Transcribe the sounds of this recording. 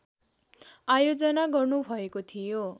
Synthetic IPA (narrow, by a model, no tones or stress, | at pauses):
ajod͡zʌnaɡʌrnubʱʌekot̪ʰijo